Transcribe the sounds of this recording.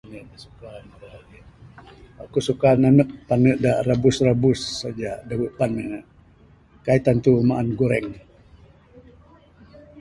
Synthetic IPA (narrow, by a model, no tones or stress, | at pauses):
nəʔdasukanaai | a̰kusukananəʔ̚panəʔdaʔrabʊsrabʊsːad͡ʒadawəʔpanəʔ | kait̪ant̪umaʔanɡuɾɛŋ